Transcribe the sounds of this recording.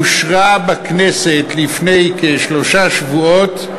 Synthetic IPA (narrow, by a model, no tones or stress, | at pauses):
uʃʁabakneset̪lifnejkeʃlo̞ʃaʃvuot̪